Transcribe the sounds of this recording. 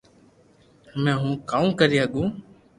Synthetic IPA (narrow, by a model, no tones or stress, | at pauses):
mɛ̃ːɦũːkaːũːkəɾiːɦəɠũː